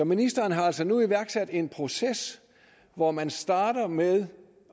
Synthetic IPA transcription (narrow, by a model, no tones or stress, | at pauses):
ɒminisd̥ɐːnɦɑ̈æl̰sɒnuiʋæɐɡ̥sæd̥e̝npʰʁo̝ses | ʋɒmænsd̥ɑ̈ːɾ̥ɐmeðˠ